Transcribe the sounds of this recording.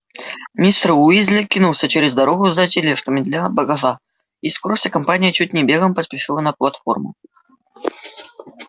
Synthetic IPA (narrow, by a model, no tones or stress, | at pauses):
mʲist̪ruizʲlʲɪkʲinulˠsʲət͡ɕeɾʲɪzd̪ɐɾoɣʊzɐtʲɪlʲeʂt̪əmʲɪd̪lʲabɐɡɐʐa | iskoɾəfsʲakɐmpanʲɪjət͡ɕut̚ʲnʲɪbʲeɣəmpəspʲɪʂɨlˠənɐplˠɐt̪fo̰rmʊ̰